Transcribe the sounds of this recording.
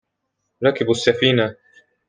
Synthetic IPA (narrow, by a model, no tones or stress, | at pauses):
ɾˤɑkɪbasːafiːna